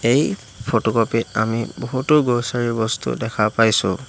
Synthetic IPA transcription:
ej | pʰotɔkɔpit̚a̰miboɦutʊɡosaɹiɹbɔstṵdɛkʰapajsʊ̰̃

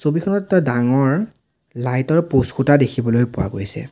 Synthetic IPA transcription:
sobixʰɔnɔtdaŋɔɹ | lajtɔɹposkʰutadekʰibɔlojpʊwa̰ɡojsɛ̰

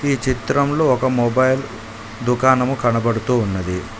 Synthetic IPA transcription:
iːt͡ʃit̪ɾɐmloːɔkɐmɔbɐjl | d̪ukaːnɐmukɐnɐbɐɽut̪uːnːɐd̪i

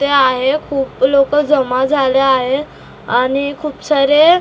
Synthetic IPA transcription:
t̪eaɦekʰuːplokəd͡zəmad͡zʱaleaɦe | añikʰuːpsəɾe

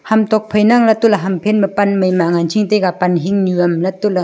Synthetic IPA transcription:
hamt̪ɔk̚pʰəjnaŋlat̪ulaɦampʰɛnbapanməjmaŋant͡ʃʰiŋt̪ekapanɦiŋnuəmlat̪uʔla

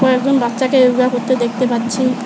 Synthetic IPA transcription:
kɔek̚d͡ʑonbatːʃakeoɡakoɾt̪ed̪ek̚ʰt̪epatːt͡ɕʰi

